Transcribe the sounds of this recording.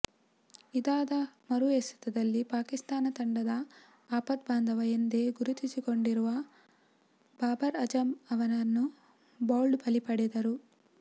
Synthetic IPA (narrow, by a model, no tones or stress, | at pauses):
id̪aːd̪ɐmɐɾujesi̥t̪ɐd̪ɐlːipaːkist̪aːnɐt̪ɐɳɖɐd̪ɐ | aːpɐt̪̚baːnd̪ɐʋɐjɐnd̪eːɡuɾut̪it͡ʃiko̞ɳɖiɾuʋɐ | baːbɐɾɐd͡ʒɐmɐʋɐnɐnːu | baːlɖpɐlipɐɽɛd̪ɐɾu